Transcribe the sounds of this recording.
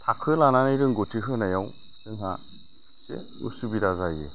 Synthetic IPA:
tʰakʰɯlananɯjɾɯŋɡɔtʰiɦɯnajaw | sɯŋɦa | sḛ | ṵsubiɾazajɯ

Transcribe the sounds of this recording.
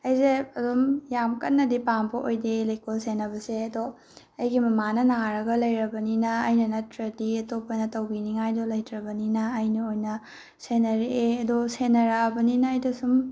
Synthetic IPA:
ɐjzeɐdumjamkɐtnːɐdipambɐʔojdelɐjkolsenɐbɐseɐdo | ɐjɡimɐmanɐnaɾɐɡɐlɐjɾɐbɐninɐːjnɐnɐtɾɐdiɐtopɐnɐtɐwbiniŋajdolɐjtɾɐbɐninɐːjnɐojnɐ | senɐɾeʔeɐdosenɐɾɐɐbɐninɐːjdɐsum

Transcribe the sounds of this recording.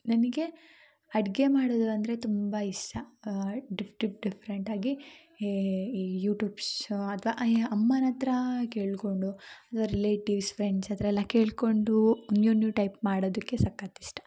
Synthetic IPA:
nɐniɡe̞ | ɐɽɡe̞maːɽoːd̪uɐnd̪ɐɾe̞t̪umbɐiʂʈɐ | ɖipʈip̚ɖipʰɐɾeɳʈaːɡi | juːʈjuːbsɐt̪ʰɐʋaʔɐmːɐnɐnt̪ɾɐkeːɭko̞ɳɖuɐt̪ʰʋaɾileːʈiʋspʰɾeɳɖsɐd̪ɐɾɐɛlːɐkeːɭko̞ɳɖunjunjuʈɐjp̚maːɽoːd̪ɐkːe̞sɐkːat̪iʂʈɐ̥

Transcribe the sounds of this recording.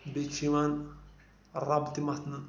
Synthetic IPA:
bet͡ʃʰiʋan | ɾabt̪imɐt̪ʰnɨ

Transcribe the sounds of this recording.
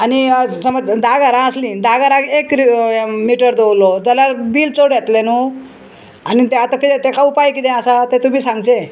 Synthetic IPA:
anisəməd͡zd̪aɡaɾãəslĩd̪aɡaɾãɡek | miʈəɾd̪owlɔd͡zalaɾbiːlt͡soɽjet̪lenu | anit̪eat̪akit̪et̪ekaupajkit̪ɛ̃asat̪et̪um̤iːsãŋɡt͡ɕe

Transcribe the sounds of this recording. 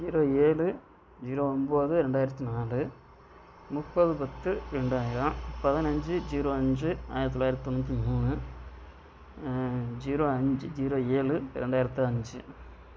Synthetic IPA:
d͡ʒiːɾoːeːlɯ | d͡ʑiːɾoːomboðɯɾeɳɖaːjɪɾɐt̪ːinaːlɯ | mupːɐðɯpɐt̪ːɯɾeɳɖaːjɪɾɐpɐðinɐɲd͡ʒɨd͡ʑiːɾoːɐɲd͡ʒɯa̰ːjɾt̪it̪ːɔlːaːjɾt̪ːit̪onːuːɐt̪̬ːimuːnɯ | d͡ʑiːɾoːɐɲd͡ʒɨd͡ʑiːɾoːeːlɯ̰ɾeɳɖaːjɪɾɐt̪ːiɐɲd͡ʒɯ

